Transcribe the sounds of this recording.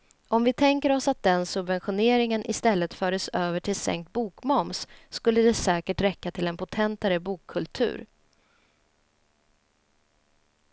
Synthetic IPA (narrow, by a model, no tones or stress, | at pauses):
ɔmvɪt̪ʰɛŋkəɾɔsat̪̚d̪ɛnsɵbvɛnɧʊneːɾɪŋənʔɪst̪ɛlːət̪fœːɾəsøːvəʈʰɪlsɛ̰ŋk̚t̪̚buːkmɔmsːkɵlːəd̪ɛsɛːkəʈɾɛkːat̪ʰɪlɛnpʰʊt̪ʰɛnt̪aɾəbuːkʰːɵlt̪ʰʉ̟̰ːɾ